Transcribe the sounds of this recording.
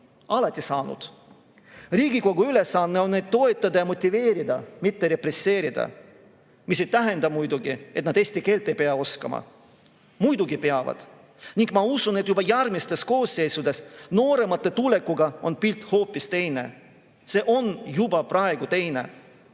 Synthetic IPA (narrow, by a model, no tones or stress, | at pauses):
ɑlɑt̪ʲːˑisɑːnṵd̪̥ | riːɡiko̞ɡ̥uyle̞sːɑnːe̞o̞nnejd̪̥̚t̪o̞et̪ːˑɑd̪ɑjɑmo̞t̪ʲːive̞ːɾid̪̥ɑmit̪ːe̞ɾe̞pre̞se̞ːɾid̪̥ɑ̰ | mise̞jt̪æɦe̞nd̪ɑmujd̪uɡie̞t̪nɑd̪̥eːsʲt̪ike̞ːlt̪ːˑe̞jpeɑo̞skɑ̰mɑ̰ | mujd̪uɡ̥ipe̞ɑvɑ̰d̪̥ | niŋɡmɑusuned̪jubɑjærmist̪ːesko̞ːsːe̞jsud̪e̞sno̞ːɾe̞mɑt̪ːˑe̞t̪ule̞kːˑuɡɑo̞npilt̪ˑho̞ːpːist̪e̞jne̞̰ | se̞ːʔo̞njubɑprʔɑe̞ɡ̥ut̪e̞jne̞̰